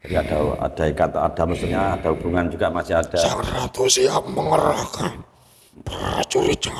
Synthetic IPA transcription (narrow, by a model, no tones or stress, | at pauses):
aɾiad̥aua̰d̥aikat̪a̰d̥aməsuɲad̥aɦub̥uŋand͡ʒuɡamasiad̥asarat̪usiapməŋəɾakan | pəra̰t͡ʃuɾit͡ʃa